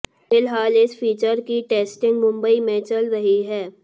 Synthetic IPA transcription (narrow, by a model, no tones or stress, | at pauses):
fɪlɦaːlɪsfʰiːt͡ʃəɾkiʈeːsʈɪ̃ŋɡmʊ̃mbəimẽt͡ʃɐlɾɐɦiɦɛː